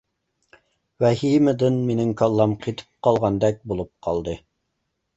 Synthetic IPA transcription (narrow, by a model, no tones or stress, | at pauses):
wæhiməd̪ɨnminɪŋkʰɑlˠːɑmqʰit̪ʰɨ̥p̚qɑlˠʁɑnd̪ɛk̚bulˠup̚qʰɑlˠd̪ɨ